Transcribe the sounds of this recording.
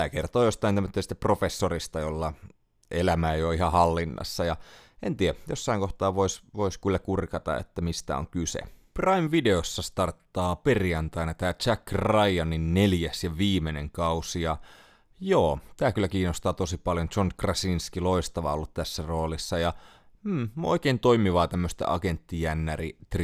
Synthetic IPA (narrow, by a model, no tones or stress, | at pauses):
t̪æːkert̪oːjost̪ɑinæmːøt̪ːest̪ːæpro̞fesːorist̪ɑjolːɑ | elæmæejoihɑhɑlːinːɑ̰sːɑjɑent̪iæjosːɑiŋkoht̪ɑːʋoisʋoiskylːækurkɑt̪ɑ̰ḛt̪ːæmist̪æ̰o̰ŋkysḛprɑimʋide̞osːɑst̪ɑrt̪ːɑːperijɑnt̪ɑinɑt̪æːt͡ʃækːrɑiɑninneljæsjɑʋiːmeneŋkɑusiɑ | joːt̪æːkylːˑækiːnːost̪ɑːt̪osipɑljont͡ʃonkrɑsinskiloist̪ɑʋɑ̰olːut̪t̪æsːæroːlisːɑjɑ | o̰ikeint̪o̞imiʋɑːt̪æmːøst̪æ̰ʔɑ̰kent̪ːijænːærit̪r